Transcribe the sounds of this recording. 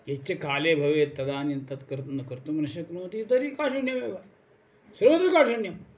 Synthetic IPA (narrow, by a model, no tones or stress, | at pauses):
jet͡ʃekaːleːbʱɐʋeːt̪ːɐd̪aːnint̪ɐt̪kɐɾt̪nɐkɐɾt̪umɐnɐʃɐknũːt̪it̪ɐɾiːkaʃunjɐmeːba | sɐɾʋɐd̪ɾɐkaːʃunjɐm